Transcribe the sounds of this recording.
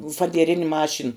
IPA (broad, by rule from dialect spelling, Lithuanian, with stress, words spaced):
fɐdʲiɛˈrʲɪnʲ ˈmɑːʃʲɪn